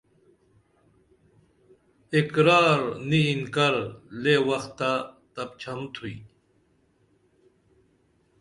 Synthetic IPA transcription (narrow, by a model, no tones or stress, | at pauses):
ekɾaːɾniːnkɐɾlewɐxt̪ːat̪ɐp̚t͡ɕʰɐmt̪ʰuḭ